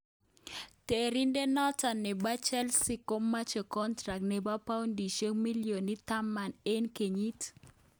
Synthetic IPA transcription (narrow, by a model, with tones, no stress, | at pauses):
te˨ɾi˦nde˦nɔ˦ta˨nːɛ˨ba˦t͡ʃɛ˦lsi˦ko˦mːa˦t͡ʃɔ˨kɔ˦ntɾa˨k̚nɛ˨ba˦pa˦wndi˨ʃe˦mi˦ljo˨ni˦t̪a˦ma˨ne˦nke˨ɲi˦t